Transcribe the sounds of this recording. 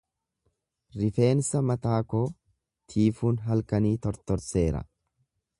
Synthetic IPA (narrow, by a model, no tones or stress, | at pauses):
ɾɪfe̞ːnsɐmɐt̪aːko̞ː | t̪ʰiːfuːnɦɐlkɐniːt̪ɔɾt̪ɔɾse̞ːɾɐ̰